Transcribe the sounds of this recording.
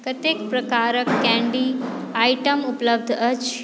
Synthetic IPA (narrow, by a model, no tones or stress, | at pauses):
kɐt̪ekpɾɐkaːɾəkːɛ̃ɳɖiaːjʈəmʊpləb̚d̪ʱət͡ʃ